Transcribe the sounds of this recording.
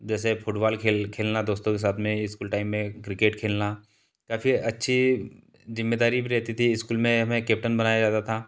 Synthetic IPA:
d͡ʒɛːs̬efʊʈbaːlkʰeːlkʰeːlnad̪oːst̪õkes̬aːt̪ʰmẽɪskuːlʈaːɪmːẽkɾɪkeːʈkʰeːlna | kaːfiɐtːʃʰi | zɪmːeːd̪aːɾibʱiɾɛɦt̪it̪ʰiɪskuːlmẽɦɐmẽkeːp̚ʈənbɐnaːjad͡ʒaːt̪at̪ʰaː

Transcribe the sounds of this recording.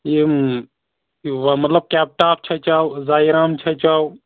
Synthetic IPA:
je | ʋmɐt̪ləb̚kɛːp̚ʈaːp̚ʰt͡ʃʰɐt͡ʃaːwzaːiɾaːmt͡ʃʰɐt͡ʃaːu

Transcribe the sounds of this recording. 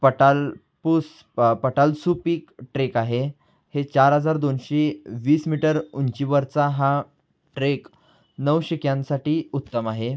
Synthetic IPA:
pəʈal | pus | pəʈalsupiːkʈɾekaɦe | het͡ɕaɾɦəd͡zaɾd̪onɕeʋiːsmiʈəɾunt͡ɕiːʋəɾt͡saɦa | ʈɾek | nəwɕikjãnsaʈiːut̪ːəmaɦe

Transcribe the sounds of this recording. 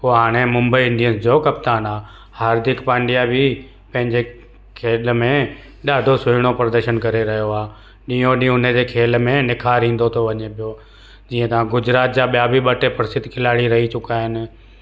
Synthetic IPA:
poːɦaːɽ̃emʊ̃mbəiɪ̃ɳɖiənsd͡ʑokɐpt̪aːnaː | haːɾd̪ɪkpãːɳɖijabʱɪ | pɐ̃ɦɪ̃ɲd͡ʑe | kʰeːlmẽ | ɗaːd̪ʱosʊɪɽ̃opɾəd̪əɾʃənkɐɾeɾɐɦjoaː | ɗĩːjõɗĩʊnəd͡ʑeːkʰeːlmẽnɪkʰaːɾɦĩːn̆d̪ot̪ʰoʋɐɲepijo | d͡ʑiːə̃t̪ɐʋ̤ãɡʊd͡ʑɾaːt̪̚d͡ʑaɓijabiɓɐʈepɐɾɪsɪt̪kʰɪlaːɽiɾɐɦit͡ɕʊkaːɦɪnɪ̆

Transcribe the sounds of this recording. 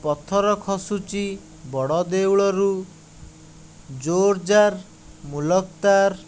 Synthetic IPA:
pɔt̪ʰɔɾɔkʰɔsut͡ʃi | bɔɽɔd̪ewɭɔɾu | d͡ʒoɾd͡ʒaɾ | mulɔkt̪aɾ

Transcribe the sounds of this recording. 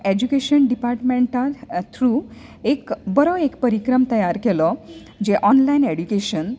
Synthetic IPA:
ed͡ʑukeɕənɖipaɾʈmẽɳʈaɾt̪ʰɾu | ekbəɾɔekpəɾikɾəmt̪əjaɾkelɔ | d͡ʑeʔɔnlaineɽjukeɕən

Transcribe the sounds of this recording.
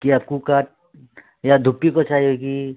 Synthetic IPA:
kiaːp̚kukaːʈ̚ | jad̪ʱʊpːikot͡ʃaːɦioki

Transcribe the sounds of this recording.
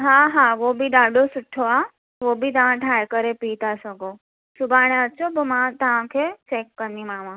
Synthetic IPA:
ɦaɦaʋobʱid̪aɖosʊʈʰoa | ʋobʱit̪əʋãʈʰajkəɾepit̪asəɡo | sʊbʱaɽ̃aət͡ʃʰobomãt̪əʋãkʰet͡ʃekːəɾnimãʋã

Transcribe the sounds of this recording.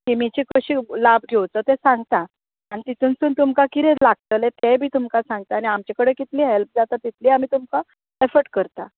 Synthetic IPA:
k̪imit͡ɕikəɕiːlab̚ʱɡʱewt͡sɔt̪ɛsãŋɡt̪a | anit̪it̪ʰuːnsuːnt̪umkakiɾɛ̃laɡ̚t̪əlɛt̪ebʱiːt̪umkasãŋɡt̪aːɽ̃iamt͡ɕakəɽekit̪liːɦelp̚d͡zat̪at̪ːit̪ʰliːamiːt̪umka | efəɾʈ̚kəɾt̪a

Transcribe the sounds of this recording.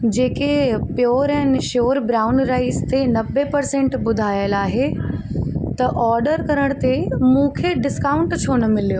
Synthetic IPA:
d͡ʑeːkepjoːɾɛ̃ːnʃoːɾbɾaːʊnɾaːɪst̪enɐbepɐɾsẽɳʈbʊd̪ʱaːjəlaːɦe | t̪ɐʔɔːɾɖəɾkɐɾəɽ̃t̪emũːkʰeɖɪskaːʊ̃ɳʈt͡ɕʰoːnəmɪlijoː

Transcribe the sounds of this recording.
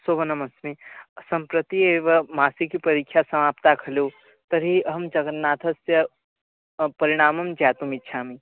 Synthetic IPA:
sobɐnɐmɐsmesɐmpɾət̪ieʋɐmaːsikipɐɾikʰjasɐmaːpt̪akʰɐlo | t̪əɾɦiɦəmd͡ʒɐɡənnːaːt̪ʰəsjɐ | pəɾiɽ̃aːmɐmd͡ʒaːt̪umitːʃʰami

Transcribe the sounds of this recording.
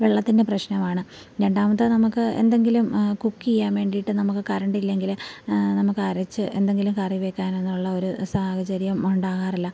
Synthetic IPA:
ʋeɭːɐt̪ːinde̞prɐɕnɐmaːɳɨ | ɾe̞ɳɖaːmɐt̪ːɨnɐmukːɨe̞̰nd̪e̞ŋɡilumkukːiijaːnʋe̞ːɳɖijiʈːɨnɐmukːɨkɐɾɐɳɖilːe̞ŋɡilnɐmukːɨɐɾɐt͡ɕːɨʔend̪e̞ŋɡilumkɐriʋe̞kːaːne̞nːuɭːɐo̞ɾusaːhɐd͡ʑɐɾijɐmuɳɖaːɣaːrilːɐ

